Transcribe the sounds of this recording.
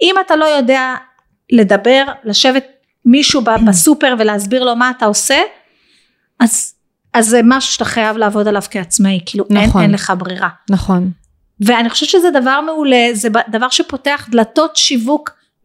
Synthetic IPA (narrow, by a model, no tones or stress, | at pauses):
imatalo̞jo̞de̞a | le̞dabe̞ʁlaʃevet̚ | miʃubabasupe̞ʁveleazbiʁlo̞maːtaose | az | azːemaʃu̥ʃe̥taχajavlaaːvo̞dalav̥keat͡smaikiːlunenenle̞χabʁiʁanaχon | veaniχoʃevʃezed̪avaʁme̞ule̞zebad̪avaʁʃepo̞te̞aχd̪lato̞tʃivuk